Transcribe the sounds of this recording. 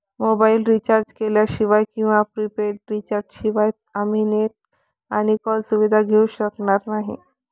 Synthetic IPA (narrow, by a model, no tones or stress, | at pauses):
mobailɾit͡ɕaɾd͡ʑkeljaɕiʋajkĩw̃ʋapɾipeʈɾit͡ɕaɾd͡ʑɕiʋajt̪əmineʈ̚ | aɽ̃ikɔlsuʋid̪ʱaɡʱeuɕəknaɾnaɦḭ